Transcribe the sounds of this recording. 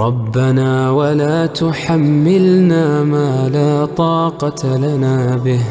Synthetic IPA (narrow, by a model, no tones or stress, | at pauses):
ɾˤɑbːanaːwalaːt̪ʊħamːɪlnaːmaːlaːt̪ˤɑːqɑt̪lanaːbɪh